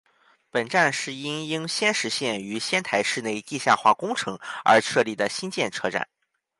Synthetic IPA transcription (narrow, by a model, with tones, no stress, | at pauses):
pə˨˩nʈ͡ʂa˥˧nʂɻ̩˥˩i˥ni˥ŋɕjɛ˥nʂɻ̩˧˥ɕjɛ˥˩ny˧˥ɕjɛ˥nt̪ʰa˧˥ɪʂɻ̩˥˧ne˥˧ɪt̪i˥˧ɕja̰˥˧xwa̰˥˩kʊ˥ŋʈ͡ʂʰɤ˧˥ŋə̰˞˧˥ʂʰɤ˥˧li˥˩d̪ə˩ɕi˥nt͡ɕjɛ˥˩nʈ͡ʂʰɤ˥˧ʈ͡ʂa̰˨˩˦n